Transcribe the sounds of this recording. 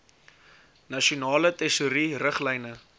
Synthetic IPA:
nɐʃiunɑːlətɛsuɾirəχlɛjnə

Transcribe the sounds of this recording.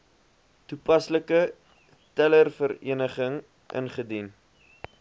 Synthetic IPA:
tupɐsləkə | tælərfəɾḭənəχəŋ | ʔə̰nχədin

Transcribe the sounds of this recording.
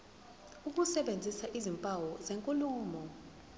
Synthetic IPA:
uk̬usɛɓend͡zʱisaʔizimpʼawɔzeŋkʼuluːmɔ

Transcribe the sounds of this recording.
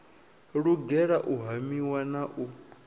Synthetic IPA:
ɺuɡɛɺaʔuɦamiwanaʔu

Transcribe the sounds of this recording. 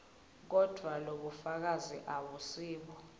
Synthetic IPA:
k̬ɔd̥ʱwaloɓufak̬aziʔaɓusiːɓɔ

